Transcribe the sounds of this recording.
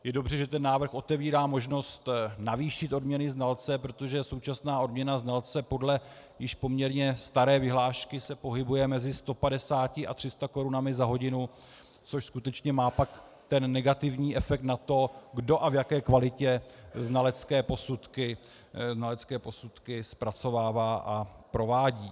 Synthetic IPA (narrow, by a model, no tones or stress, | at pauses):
jɛdo̞brɛʒɛt̪ɛnːaːvrxʔo̞t̪ɛviːɾaːmo̞ʒno̞st̪naviːʃɪt̪ʔo̞dmɲɛnɪznalt͡sɛpɾo̞t̪o̞ʒɛso̞wt͡ʃasnaːo̞dmɲɛnaznalt͡sɛpo̞dlɛ | jɪʃpo̞mɲɛɾɲɛst̪aɾɛːvɪɦlaːʃkɪsɛpo̞ɦɪbujɛmɛzɪst̪o̞padɛsaːcɪʔa̰t̪r̥ɪst̪ako̞ɾunamɪzaɦo̞ɟɪnu | t͡so̞ʃskut̪ɛt͡ʃɲɛmaːpak | t̪ɛnːɛɡat̪ɪvɲiːʔɛfɛk̚t̪nat̪o̞ɡdo̞ʔavjakɛːkvalɪcɛznalɛt͡skɛːpo̞sut̪kɪ | znalɛt͡skɛːpo̞sut̪kɪspɾat͡so̞vaːvaːʔapɾo̞vaːɟiː